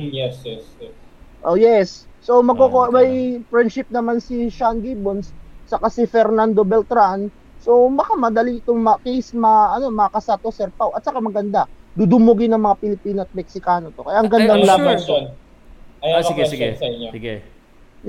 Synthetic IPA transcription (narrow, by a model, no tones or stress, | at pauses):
jɛsjɛsjɛsʔojɛsːo̞mɐɡ̚kokoʔmɐjfɹɛnd̪ʃɪp̚nɐmansiʃanɡiːbonsːɐkasɪfɛɾnand̪o̞bɛlt̪ɾan | sobɐkamɐd̪ɐliɪt̪oŋmɐkejsmɐʔɐno̞mɐkɐsat̪osɛɾpawʔɐt̪sɐkamɐɡɐnd̪ad̪ud̪ʊmʊɡɪnɐŋmɐŋapɪlɪpiːnoɐt̪̚mɛk̚sɪkaːnot̪o̞kɐjaʔɐŋɡɐnd̪aŋlaːant̪ | ɐjaɡɛsɪɡɛsɐosɪɡɛ